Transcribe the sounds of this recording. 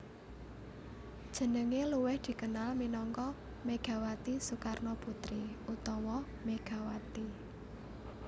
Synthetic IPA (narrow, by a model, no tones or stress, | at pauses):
d̥ʒ̥ə̤nəŋeluwɪhd̪̥i̤kənalminɔŋkɔ | meɡ̥a̤wat̪isukarnoput̪ɾiut̪ɔwɔ | meɡ̥a̤wat̪i